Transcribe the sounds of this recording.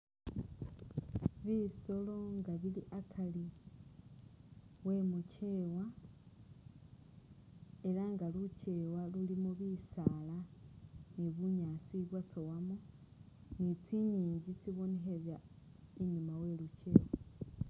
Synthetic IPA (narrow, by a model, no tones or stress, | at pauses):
βiso̞lo̞ŋɡaβiliʔakʰali | we̞muce̞ːwa | e̞laŋɡaluce̞walulimoβisala | niβuɲaːsiβwatowamo | nit͡siɲiːɲɟit͡siβo̞neɦeβja | iɲumawe̞luce̞ːwa